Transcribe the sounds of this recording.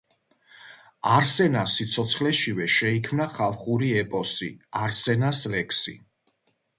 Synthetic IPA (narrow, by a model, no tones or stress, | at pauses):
aɾsɛnasit̪sʰɔt̪sʰχlɛʃivɛʃɛikʰmnaχalˠχuɾiɛpʼɔsḭaɾsɛnaslɛkʰsḭ